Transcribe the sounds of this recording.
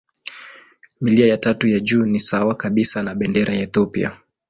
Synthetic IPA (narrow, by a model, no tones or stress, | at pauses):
miliajatatujaʄuːnisawakaɓisanaɓɛndɛɾajaɛθɔpḭa̰